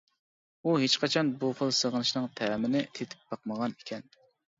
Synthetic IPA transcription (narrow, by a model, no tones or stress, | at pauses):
uɦet͡ʃqɑt͡ʃʰɑnbuχəlˠsəʁənɨʃnɨŋt̪ʰæːmɪnɪt̪ʰet̪ʰɪ̥p̚bɑqməʁɑnikʲʰɛn